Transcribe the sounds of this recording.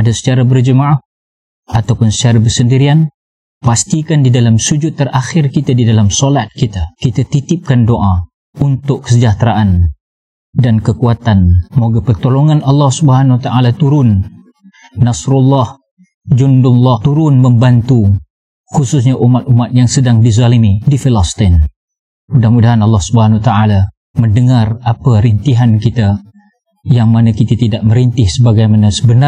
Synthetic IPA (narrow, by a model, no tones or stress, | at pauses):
adasə̥t͡ʃaɾabərd͡ʒəmaa | at̪awpʊnsə̥t͡ʃaɾabərsəndiɾian | past̪ikandidalamsud͡ʒʊt̪ːərʔaxɪrkit̪adidalamsolat̪̚kit̪akit̪at̪it̪ɪp̚kandoʔa | unt̪ʊkkːə̥səd͡ʒaht̪ɾaʔan | dankəkuat̪anmoɡapərt̪oloŋanɑlːɑhsubəɦanwat̪aʔalat̪uɾʊnː | asɾulːɑh | d͡ʒʊndʊnlɑht̪uɾʊnməmbant̪u | xususɲaʔumat̪̚umat̪̚jaŋsədaŋdizalimidifilast̪ɪn | mudahmudaɦanɑlːɑhsubəɦanwat̪aala | məndəŋarapaɾint̪iɦankit̪a | jaŋmanakit̪at̪idaʔməɾint̪ɪhsəbaɡajmanasəbəna